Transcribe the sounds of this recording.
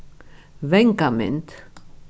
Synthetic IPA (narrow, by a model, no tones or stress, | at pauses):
vɛŋkamɛ̰nt̪